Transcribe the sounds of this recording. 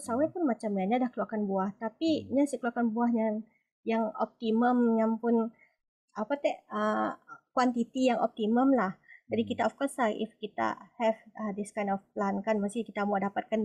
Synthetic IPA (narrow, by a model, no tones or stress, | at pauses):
sawɛpʊnmat͡ʃamɲaɲadahkluakanbuaht̪apiɲasikəluakanbuahɲa | jaŋɔ̰p̚t̪iməmjaŋpʊn | ʔapat̪ɛʔəkwant̪it̪ijaŋʔɔ̰p̚t̪iməmlahd͡ʒadikit̪aɔfkɔslaʔḭfkit̪a̰hɛvəd̪iskajnɔfplankanmasikit̪amuadapat̪̚kan